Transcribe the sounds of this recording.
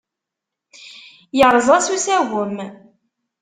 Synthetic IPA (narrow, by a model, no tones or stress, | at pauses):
jəɾˤəzˤæsusæwəm